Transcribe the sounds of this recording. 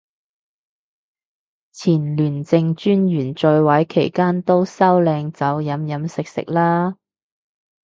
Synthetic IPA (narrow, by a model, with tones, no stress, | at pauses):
t͡sʰiː˨˩nlyː˨˩nt͡sɪ˧ŋt͡ʃyː˥njyː˨˩nt͡ʃœ˧jwɐ˨˥jkʰe˨˩jkaː˥nt̪o˥wsɐ˥wlɛː˧ŋt͡sɐ˨˥wjɐ˨˥mjɐ˨˥msɪ˨k̚sɪ̰˨k̚laː˥